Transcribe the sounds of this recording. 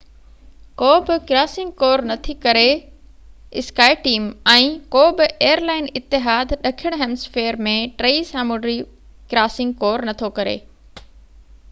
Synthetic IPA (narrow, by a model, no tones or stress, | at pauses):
koːbɪkɾaːsɪ̃ŋɡ̚koːɾnɐt̪ʰikɐɾe | ɪskaːɪʈiːmɛ̃ːkoːbɪeːəɾlaːɪnɪt̪ːɪɦaːd̪ɗɐkʰɪɽ̃ɦɛːmsfeːɾmẽʈɾeisãːmoɖɾi | kɾaːsɪ̃ŋɡ̚koːɾnɐt̪ʰokɐɾḛː